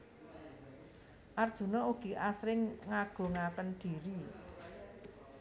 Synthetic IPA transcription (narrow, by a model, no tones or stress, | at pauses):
ʔard̥ʒ̥ṳnɔuɡ̥i̤ʔasɾɪŋːaɡ̥o̤ŋakənd̥i̤ɾi